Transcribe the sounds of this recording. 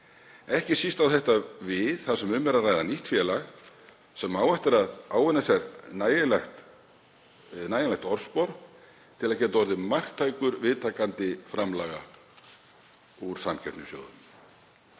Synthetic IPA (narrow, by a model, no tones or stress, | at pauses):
ɛhcɪsist̪awθɛht̪avɪðθasɛmʏmvɛɾarajðaniht̪fjɛlaɣ | sɛmːaːwɛht̪ɪɾaðaːwvɪnːasɛɾnlax | naːjanlaxt̪ɔɾ̥spɔɾ | t̪ʰɪlaðcɛːt̪aɔɾðɪmar̥kt̪ʰːaːjkʏɾvɪðt̪ʰaːkant̪ɪfɾamlaːɣa̰ | uɾ̥samcʰɛ̥t̪nʏsjo̰ːwðʏm